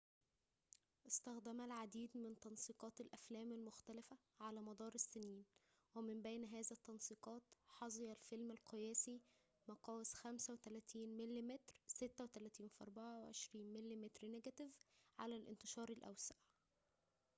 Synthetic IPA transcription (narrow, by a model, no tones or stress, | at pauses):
ʔɪst̪æxd̪æmælʕad̪iːd̪mɪnt̪ɑnsˤiːqɑːt̪ælʔæflæːmælmʊxt̪ælɪfæ | ʕalæːmɑd̪ˤɑːɾˤɪsːɪniːn | wemɪmbæjnɦæːzæt̪ːɑnsˤiːqɑːt̪ħɑzˤejɑlfelmælqʰejæːsi | mɑqɑːwesxæmsæwet̪ælæːt̪iːnmelːimet̪ɾsɪt̪ːæwet̪ælæːt̪iːnfʔɑ̰ɾˤbɑʕaweʕḛʃɾiːnmelːimet̪ɾneɡæt̪ɪvʕa̰lælʔɪ̰nt̪eʃɑːɾˤɪlʔæ̰wsaʕ